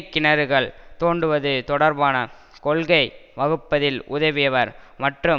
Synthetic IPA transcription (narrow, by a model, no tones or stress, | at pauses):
kːɪnɐɾɯɣɐɭt̪oːɳɖɯʋɐðɯt̪ɔɽɐɾbaːnɐ | kɔɭɣɐɪʋɐɣɯpːɐðɪlʔʊðɐʋɪjɐʋɐɾmɐʈrɯ